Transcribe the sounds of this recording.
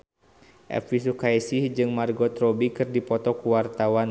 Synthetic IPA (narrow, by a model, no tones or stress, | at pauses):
ʔɛ̰fis̬ukajsihd͡ʒɨŋmarɡɔt̪ɾɔbikɨrdipɔt̪ɔkuwart̪awan